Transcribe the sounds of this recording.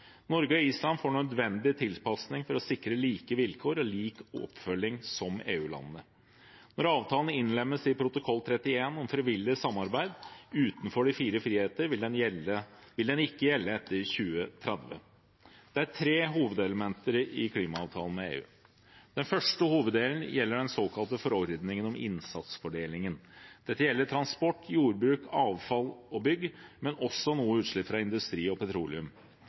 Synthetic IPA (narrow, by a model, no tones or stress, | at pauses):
nɔɾɡəɔiːslɑnfoːɳœd̪ʋɛnd̪ɪt̪ʰɪlpɑsnɪŋfɔɾɔsɪkɾəliːkəʋɪlkʰoːɾɔliːkɔ̰pfœlːɪŋsɔmḛːʉːlɑ̰nn̩ə | nɔɾɑːʋt̪ʰɑːlənəɪnlɛmːəsɪpʰɾʊt̪ʊkʰɔlːt̪ʰɾɛt̪ːɪeːnɔmfɾɛʋɪlːɪsɑmːɑɾbæɪd̪ʉːt̪nfɔɖɪfiːɾəfɾiːheːt̪əɾɪld̪ɛnəʋɪld̪ɛnɪkːəjɛlːəɛt̪ːəɾçʉːət̪ʰɾɛd̪ʋə̰ | d̪̥ɛæɾʈʰɾeːɦuːʋəd̪ɛləmɛnt̪əɾɪkʰliːmɑɑːʋt̪ʰɑːlən̩mɛḛːʉ̰ː | d̪̥ɛnfœʂʈəhuːʋəd̪ːeːln̩jɛlːəɖɛnsoːkʰɑlt̪əfɔɾɔɾd̪nɪŋənɔmɪ̰nsɑt̪sfɔɖeːlɪŋənd̪̥ɛt̪ːəjɛlːəʈʰɾɑnspɔʈːjuːɾbɾʉːkʰɑːʋfɑlɔbʏɡːmɛnɔsːɔnuːəʉːt̪ʂɭɪpfɾɑɪnd̪ʉst̪ɾiːɔpʰɛt̪ʰɾuːlɪʉm